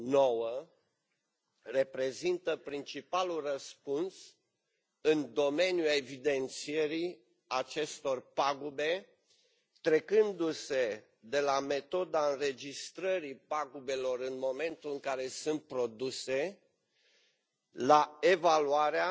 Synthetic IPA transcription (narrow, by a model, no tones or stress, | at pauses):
no̞wə | re̞pɾe̞zint̪əpɾint͡ʃipalulrəspuns | ɨnd̪o̞me̞njue̞vid̪e̞nt̪sie̞ɾi | at͡ʃe̞st̪o̞rpaɡube̞ | t̪ɾe̞kɨnd̪use̞ | d̪e̞lame̞t̪o̞d̪aɨnɾe̞d͡ʒist̪ɾəɾipaɡube̞lo̞ɾɨnmo̞me̞nt̪ulɨŋkaɾe̞sɨnt̪̚pɾo̞d̪use̞ | lae̞valuaɾea